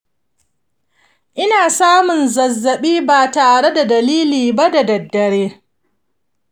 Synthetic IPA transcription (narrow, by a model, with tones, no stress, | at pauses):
ʔɪ˦naː˨saː˦mʊ˨nzɐ˨zːɐ˨ɓiː˦baː˨taː˨ɽe˦da˨dɐ˨liː˦liː˨ba˦da˨dɐ˨dːɐ˨ɽeː˦